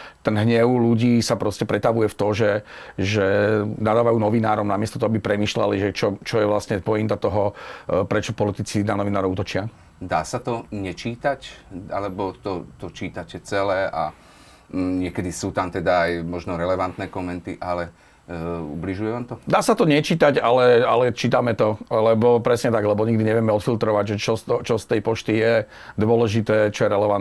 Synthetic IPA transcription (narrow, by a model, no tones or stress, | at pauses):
t̪ɛnɦɲɛʊluɟiːsapɾɔscɛpɾɛt̪aʋujɛft̪ɔʒɛʒɛnad̪aːʋajuːnɔʋinaːɾɔmnamɪɛst̪ɔt̪ɔɦɔabipɾɛmiːʃla̰liʒɛt͡ʃɔt͡ʃɔjɛʋlasɲɛpɔjint̪at̪ɔɦɔpɾɛt͡ʃɔpɔlit̪it͡sinanɔʋinaːɾɔʊut̪ɔt͡ʃɪa | d̪aːsat̪ɔɲɛt͡ʃiːt̪aca̰lɛbɔt̪ɔt̪ɔt͡ʃiːt̪acɛt͡sɛlɛːa | ɲɪɛkɛd̪isuːt̪amt̪ɛd̪aːjmɔʒnɔɾɛlɛʋant̪nɛːkɔmɛnt̪iʔalɛ | ṵbliʒujɛʋaːmt̪ɔd̪aːsat̪ɔɲɛt͡ʃiːt̪aɟalɛalɛt͡ʃiːt̪amɛt̪ɔlɛbɔpɾɛsɲɛt̪aɡlɛbɔɲiɡd̪iɲɛʋɪɛmɛɔt̪filt̪ɾɔʋaɟʒɛt͡ʃɔst̪ɔt͡ʃɔst̪ɛjpɔt͡ʃt̪ijɛ | d̪ʊɔlɛʒit̪ɛːt͡ʃɔjɛɾɛlɛʋan